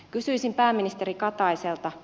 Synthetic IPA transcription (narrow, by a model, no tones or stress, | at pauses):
kysyisimpæːmːinist̪eɾikɑt̪ɑjselt̪ɑ